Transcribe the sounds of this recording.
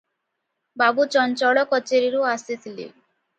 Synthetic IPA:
babut͡ʃɔnt͡ʃɔɭɔkɔt͡ʃeɾiɾuasit̪ʰilḭ

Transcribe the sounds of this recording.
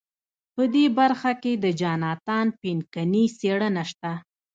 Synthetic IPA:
pəd̪ebaɾxaked̪əd͡ʒɑnɑt̪ɑnpinkaniseɽənaʃt̪a

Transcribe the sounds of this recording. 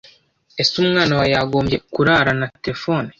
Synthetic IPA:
e̞sumŋaːnawajaɡo̞ːmbɟe̞kuɾaːɾanateɾefoːni

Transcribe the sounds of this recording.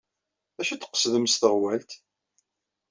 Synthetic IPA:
æʃæt͡sːə̥qːə̥sðəmsθəʁwælt̪

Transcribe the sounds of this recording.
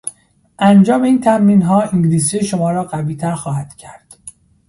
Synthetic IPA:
ʔænd͡ʒɒːme̞iːnt̪ʰæmːiːnɦɒːiŋɟliːsiːeʃomɒːɾɒːɢæviːt̪ʰæɾxɒːhæd̪̥cʰæɾd̪̥

